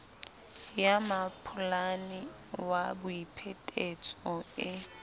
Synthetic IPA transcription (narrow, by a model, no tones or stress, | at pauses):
jamapʰʊlanɪ | wabʊipʰɛtʼet͡sʼɔɪ